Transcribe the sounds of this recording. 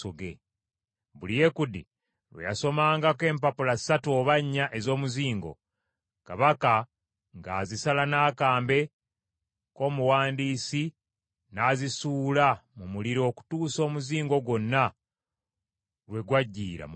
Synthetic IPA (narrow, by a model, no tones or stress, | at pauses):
oɡḛ | βulije̞kudḭ | ɾwḛja̰so̞maːŋɡake̞ːmpapulasatuo̞βaɲːaʔe̞zoːmuziːŋɡo̞̰ | kaβaka | ŋɡa̰ːzisalanaːkaːmbe̞ | ko̞ːmuwaːndiːsi | naːzisuːlamumuliɾo̞ːku̥tuːso̞ːmuziːŋɡo̞ɡwo̞nːa | ɾwe̞ɡwaɟːḭːɾa̰m